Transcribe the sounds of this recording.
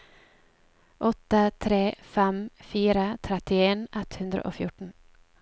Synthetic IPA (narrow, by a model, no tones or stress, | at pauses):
ʔɔt̪ət̪ʰɾeːfɛmfiːɾət̪ʰɾɛt̪ɪeːnʔɛt̪hʉnd̪ɾə̰ʔo̰ːfjʊʈɳ̩